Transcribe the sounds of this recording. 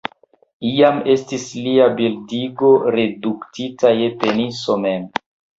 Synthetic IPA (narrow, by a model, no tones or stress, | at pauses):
ijame̞stisliabildiɡo̞ɾe̞duktitajepenisomem